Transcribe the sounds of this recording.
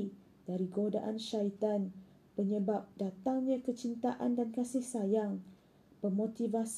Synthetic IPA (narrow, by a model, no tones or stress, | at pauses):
daɾiɡoda̰ʔanʃait̪an | pəɲəbap̚dat̪aŋɲãkət͡ʃint̪aʔandankasɪhsajaŋ | pərmõt̪ivas